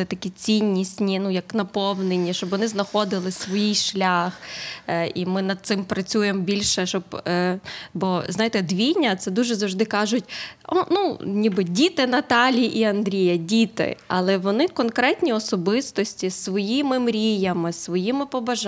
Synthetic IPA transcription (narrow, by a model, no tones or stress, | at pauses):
ɪt̪ɐkʲit͡sʲinʲːisʲtʲnʲinujɐknɐpɔwnenʲːiʃt͡ʃɔbʋɔnɪznɐxɔd̪ɪlˠɪsʋɔjijʃlʲax | ḭmɪnɐd̪̚t̪sɪmpɾɐt͡sʲujembʲilʲʃɛʃɔb | bɔznɑjet̪ɛd̪ʋʲijnʲːɐt̪sɛd̪uʒɛzɐwʒd̪ɪkɑʒʊtʲɔnunʲibɨdʲit̪ɪnɐt̪ɑlʲiʔiɐnd̪ɾʲijɐdʲit̪ɪ̰ɐ̰lˠɛʋɔnɪkɔnkɾɛtʲnʲiɔsɔbɪst̪ɔsʲtʲisʋɔjimɪmɾʲijɐmɪsʋɔjimɪpɔbɐʒ